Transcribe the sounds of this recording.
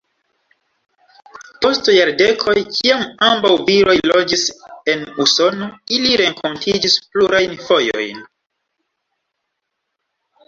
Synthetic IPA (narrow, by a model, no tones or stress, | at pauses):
po̞stjaɾde̞kʰo̞jkʰiamambawviɾo̞jlo̞d͡ʒise̞nuso̞no̞iliɾe̞ŋkʰo̞ntʰid͡ʒispluɾajnfo̞jo̞̰jn